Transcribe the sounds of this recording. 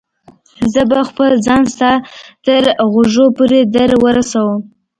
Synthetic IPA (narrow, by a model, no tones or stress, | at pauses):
zəbaxpəlzɑnst̪ɑt̪əɾɣoʒopuɾed̪aɾwəɾasawəm